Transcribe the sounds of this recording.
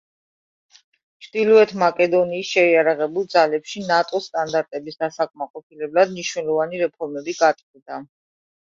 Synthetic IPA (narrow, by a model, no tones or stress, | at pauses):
t͡ʃʰd̪ilˠɔɛt̪ʰmakʼɛd̪ɔniːsʃɛiaɾaʁɛbulˠd̪zalɛpʃinat̪ʼɔst̪ʼand̪aɾt̪ʼɛbisd̪̥asakʼmaqʼɔpʰilɛblad̪miʃnɛlˠɔvaniɾɛpʰɔɾmɛbiɡat̪ʼivd̪a